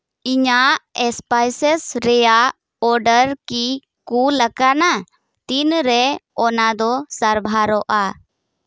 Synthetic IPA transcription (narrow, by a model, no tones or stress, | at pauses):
iɲaʔɛspajsɛsɾɛjaʔ | ɔɾɖəɾki | kuləkana | t̪inɾɛɔnad̪ɔsaɾbʱaɾɔʔa